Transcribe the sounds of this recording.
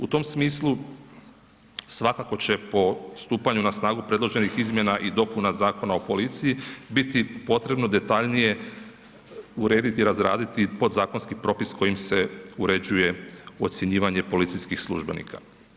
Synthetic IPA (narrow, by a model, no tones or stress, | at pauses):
ut̪o̞msmiːslˠu | sʋakako̞t͡ɕe̞po̞st̪uːpaɲunasnaːɡupɾe̞d̪lˠo̞ʒe̞nixizmjenaʔid̪o̞punazaːko̞naopo̞lit̪sijibit̪ipo̞t̪ɾe̞bno̞d̪e̞t̪aʎnije̞ | uɾe̞ːd̪it̪iɾazɾa̰ːd̪it̪ipo̞d̪zaːkonskipɾo̞pisko̞jimse̞uɾe̞d͡ʑuje̞o̞t̪sje̞ɲiːʋaɲe̞po̞lit̪siskixslˠṵʒbenḭːkʰa̰